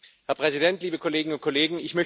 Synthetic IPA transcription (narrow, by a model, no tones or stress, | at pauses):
hɛɐpʁ̥ɛzidɛntliːbəkʰoleːɡŋʊnt̚kʰoleːɡŋ̩ɪçmœ